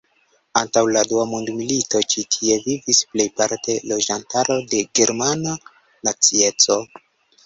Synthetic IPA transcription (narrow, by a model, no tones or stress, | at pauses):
antawladuamondmilito̞t͡ʃitʰie̞vivisple̞jpaɾte̞lo̞d͡ʒantaɾo̞de̞ɡe̞ɾmana | nat͡sie̞t͡so̞